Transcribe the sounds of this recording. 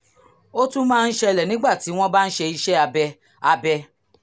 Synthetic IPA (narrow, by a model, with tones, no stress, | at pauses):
o˦tũ˦mãː˦˧n̩˦ʃɛ˧lɛ˨nĩ˦ɡ͡ba˦˨ti˨˦w̃ɔ̃˦ba˦n̩˦ʃe˧i˧ʃɛ˦a˧bɛ˧ | a˧bɛ˧